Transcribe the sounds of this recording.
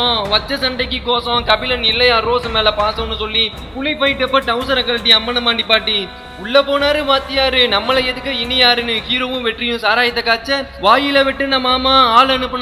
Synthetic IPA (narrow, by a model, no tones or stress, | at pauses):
õʋɐt͡ʃːɐsɐɳɖɐɪk̬ːikːoːsõːkɐbɪlɐnɪlːɐjaɾoːsɐmeːlɐpaːsɐnːɯsɔlːi | pʊlipɐjɪʈːɯɐpːɐʈɐʊsɐɾɐkɐlʈːiɐmːɐnɐmaːɳɖipːaːʈːi | ʊɭːɐpːoːnaːɾɯʋaːt̪ːɪjaːɾɯnɐmːɐlɐɛðɯkːɯɪnːijaːɾɯnɯkiːɾɐʋɯ̃ʋɛʈːrɪjʊ̃saːɾaːjɪt̪ːɐkaːt͡ʃːɐʋaːjɪlɐʋɪʈːɯnɐmaːmaaːlɐnɯpːɐn